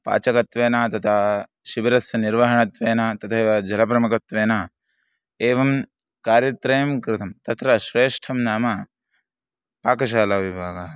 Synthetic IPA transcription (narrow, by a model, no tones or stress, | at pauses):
pa̰ːt͡ʃɐkɐt̪ʋeːnaːt̪ɐt̪ʰa | ʃibɐɾɐsjɐniɾʋɐɦɐɳɐt̪ʋeːnaːt̪ɐt̪ʰɐeːʋɐd͡ʒɐlɐpɾɐmɐkɐt̪ʋeːnaː | eːʋɐm | kaːɾjɐt̪ɾɐjɐmkɾɪt̪ʰɐmt̪ɐt̪ɾɐʃɾeːʂʈʰɐmnaːmɐ | paːkɐʃ̬aːlaːʋibʱaːɡɐ